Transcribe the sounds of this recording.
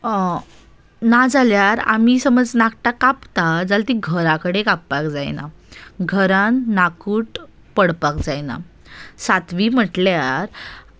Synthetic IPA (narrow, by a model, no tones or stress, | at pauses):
nad͡zaljaɾa̰misəməd͡znakʈakapt̪ad͡zalt̪iɡʱəɾakəɽekapːakd͡za̰jna̰ɡʱəɾãnːakuːʈ | pəɽpakd͡zajna̰ | sat̪ʋim̤əʈljaɾ